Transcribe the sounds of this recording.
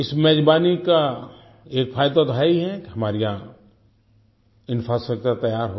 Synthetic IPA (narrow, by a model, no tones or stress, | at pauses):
ɪsmɛɦd͡ʒbaːnika | eːkfʰaːjd̪at̪oɦɛiɦɛkiɦɐmaːɾija | ɪnfʰɾaːstɾək̚t͡ʃəɾt̪ɐjaːɾɦo